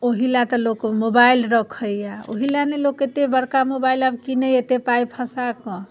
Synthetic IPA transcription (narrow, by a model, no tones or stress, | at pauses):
oɦilat̪ɔlokmobailɾəkʰəjjao̰ɦilaneloket̪ebəɾkamobailabkinəet̪epajpʰəsakɔ̃